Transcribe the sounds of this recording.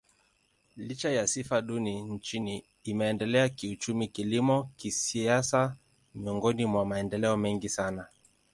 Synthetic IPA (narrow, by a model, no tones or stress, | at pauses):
lit͡ʃajasifaɗunin̩t͡ʃiniː | mɛːndɛlɛakiut͡ʃumikilimɔkisiasa | miɔŋɡɔnimwamaɛndɛlɛɔmɛŋɡisana